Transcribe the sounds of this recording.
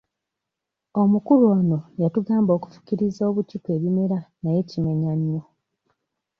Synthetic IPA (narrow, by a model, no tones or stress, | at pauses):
omukuɾuo̞ːno̞jatuɡaːmbo̞ːku̥fu̥ciɾizo̞ːβucikwe̞ːβime̞ɾanaje̞cime̞ɲaɲːo